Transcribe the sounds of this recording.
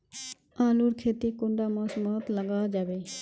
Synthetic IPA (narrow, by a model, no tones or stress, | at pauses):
aːluːɾkʰeːt̪iːkʊ̃ɳɖaːmãːsmaːt̪ləɡaːd͡ʒaːʋeː